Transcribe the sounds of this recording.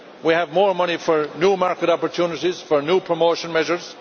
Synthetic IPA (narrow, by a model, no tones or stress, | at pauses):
wiəvmɔːɹmʌñifəɹnjuːmaɹkəɾɑpəɹtʰjuːnɪɾiz̥fə˞njuːpʰɹ̥əmoːʃə̃nmɛʒə˞z̥